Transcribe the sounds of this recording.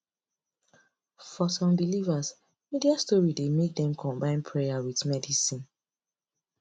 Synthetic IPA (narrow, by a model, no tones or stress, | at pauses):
fɔsɔ̃mdilivas | midiastɔɹidemek̚dɛ̃mkʰɔ̃mbãɪ̃npʰɹɛjawiðmɛdisĩn